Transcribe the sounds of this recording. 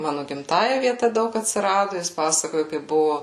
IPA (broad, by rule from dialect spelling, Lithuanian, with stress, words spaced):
ˈmɑːnʊ ɡʲɪmˈtɑːjɛ ʋʲiɛˈtɐ ˈdɐʊk ɐtʲsʲɪˈrɑːdʊ ˈjɪs ˈpɑːsɐkoːjʊ kɐɪp ˈbʊʋoː